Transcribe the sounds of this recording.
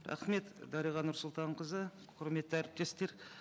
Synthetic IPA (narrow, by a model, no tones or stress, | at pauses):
ɾɑ̰χme̞t̪d̪ɑɾijʁɑnʊɾsʊlˠt̪ɑɴqəzə | qʰʊɾme̞t̪ːɪæɾɪp̚t̪e̞st̪e̞ɾ